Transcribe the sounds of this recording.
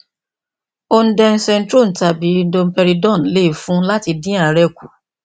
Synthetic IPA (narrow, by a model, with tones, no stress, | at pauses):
o˧n̩˦dɛ˧n̩˦sɛ˧n̩˦tɾo˦˨n̩˨ta˧bi˨˦do˧m̩˦pɛ˧ɾi˧dɔ̃˦˨n˨le˦i˦˨fũ˨˦la˦ti˧dĩ˦a˦˨ɾɛ˧ku˨